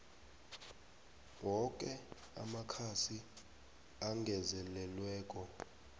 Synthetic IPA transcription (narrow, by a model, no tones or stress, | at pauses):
wɔkʼɛ | a̰makʰasi | aŋɡʱɛzɛlɛlwɛːk̬ʼɔ